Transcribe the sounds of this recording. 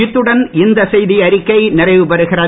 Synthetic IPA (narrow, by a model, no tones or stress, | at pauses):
ɪt̪ːɯɽɐnɪnd̪ɐsɛjðiɐɾɪkːɐɪnɪrɐɪʋɯpɐɾɯɣɪrɐ